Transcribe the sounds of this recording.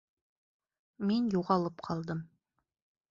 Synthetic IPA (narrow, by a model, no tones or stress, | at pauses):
menjuʁɑlˠəpqʰɑlˠd̪əm